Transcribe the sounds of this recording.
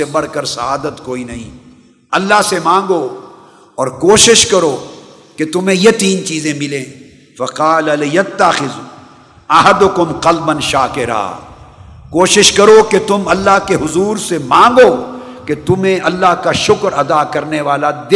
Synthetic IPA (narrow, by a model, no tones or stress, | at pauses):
ebɐɽ̤kɐɾsɐaːd̪ət̪koːinɐɦḭ̃ː | ɐlːaɦsemãːŋɡoː | ɔːɾkoːʃɪʃkɐɾoː | ket̪ʊmẽjet̪iːnt͡ʃiːzẽmɪlẽː | fɐqaːlɐlɪjɐt̪ːɐxɪz | ɐɦɐd̪ʊkʊmqɐlbɐnʃaːkɪɾa̰ː | koːʃɪʃkɐɾoket̪ʊmɐlːaɦkeɦʊzuːɾsemãːŋɡoːket̪ʊmẽʔɐlːaɦkaʃʊkɾɐd̪akɐɾneʋaːlad̪ɪ